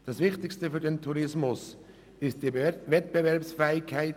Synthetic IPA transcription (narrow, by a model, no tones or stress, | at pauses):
d̥ɑsvɪχtɪkstəfyːɾdentʰuɾɪsmʊs | ɪstd̥ivɛtb̥evɛɾpsfɛːɪkʰːaɪt